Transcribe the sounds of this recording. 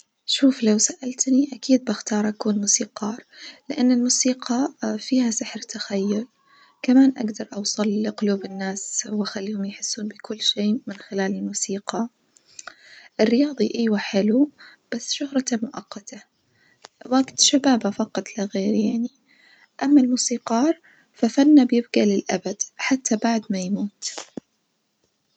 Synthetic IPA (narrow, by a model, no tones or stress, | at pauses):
ʃuːflawsaʔalt̪niʔakiːd̪̚baxt̪ɑːɾˤʔakuːnmusiːqɑːɾˤlɪʔanːɪlmusiːqʰɑfiːhasɪħɾt̪axajːʊl | kamaːnʔa̰ɡd̪ɑɾˤʔɑwsˤɨlɪqʊluːbɪnːaːswʔaxalːiːhʊmjħɪsːuːnbɪkʊlːʃeːmɪnxɪlaːlɪlmuːsiːqɑ | ʔɪrːɪjɑːðˤiʔiːwaħɪlub̥asːʃʊhɾˤɑt̪amʊʔɑqːɑt̪ʰa | waɡt̪ʃabaːbafɑqɑt̪ˤlaɣeːɾjaʕni | ʔamːalmuːsiːqɑːɾˤ | fafanːabjɪbɡalɪlʔa̰bad̪̥ħat̪ːabaʕd̪majmuːt̪